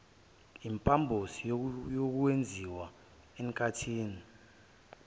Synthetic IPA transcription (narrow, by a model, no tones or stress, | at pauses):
impʼambʱosijok̬uwend͡zʱiwa | ɛŋkʰʼatʰiːni